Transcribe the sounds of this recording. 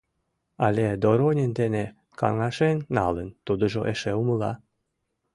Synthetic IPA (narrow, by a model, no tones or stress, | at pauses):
ɑlʲed̪oɾonʲend̪ene | kɑ̰ŋɑʃenːɑ̰lənt̪ud̪ə̆ʒoʔeʃeuməlɑ̰